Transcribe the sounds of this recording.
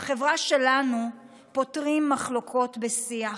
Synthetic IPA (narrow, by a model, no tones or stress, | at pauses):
aχe̞vʁaʃe̞lanu | po̞tʁimːaχlo̞kʰo̞tbesia